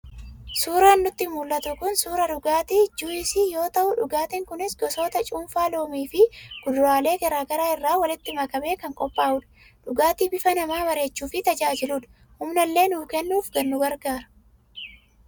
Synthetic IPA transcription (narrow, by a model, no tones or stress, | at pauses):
suːɾaːnːʊt̪ːɪmuːlːɐt̪ʊkʊnsuːɾɐɗʊɡaːt̪iːd͡ʒuːɪsɪjo̞ːt̪ɐʔʊᶑʊɡaːt̪ɪŋkʊnɪsɡɔsoːt̪ɐt͡ʃʼuːmfaːloːmiːfɪɡ̥ʊd̪ʊɾaːle̞ːɡɐɾaːɡɐɾaːɪrːaːwɐlɪt̪ːɪmɐkɐbe̞ːkɐŋkʼɔpʼːaːʔʊᶑɐ̥ | ᶑʊɡaːt̪iːbɪfɐnɐmaːbɐɾe̞ːt͡ʃːuːfɪt̪ɐd͡ʒaːd͡ʒɪluːᶑɐ̥ | hʊmnɐlːe̞ːnuːkɛnːuːfɡɐnːʊɡɐɾɡaːɾɐ̥